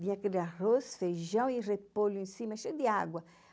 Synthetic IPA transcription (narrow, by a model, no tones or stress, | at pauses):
diɲãkelarosfeʒɐ̃w̃irepoluĩsimaʃed̪iaɡwɐ